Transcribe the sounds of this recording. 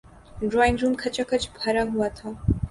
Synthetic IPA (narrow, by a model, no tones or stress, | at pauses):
ɖɾɔĩŋɡɾumkʰət͡ʃəkət͡ʃbʱəɾaɦuat̪ʰɔ